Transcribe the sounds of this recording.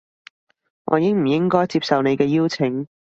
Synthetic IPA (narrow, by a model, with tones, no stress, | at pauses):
ŋɔ̰ː˨˧jɪ˥ŋm̩˨˩jɪ˥ŋkɔː˥jt͡siː˧p̚sɐ˨wne˨˧jkɛː˧jiː˥wt͡sʰɪ˨˥ŋ